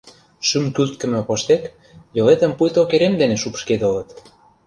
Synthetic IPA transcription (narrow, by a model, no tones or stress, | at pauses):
ʃymkylt̪̚kə̆mə̆poʃt̪ek | jolet̪ə̆mpujt̪okeɾemd̪eneʃupʃked̪olɤ̆t̪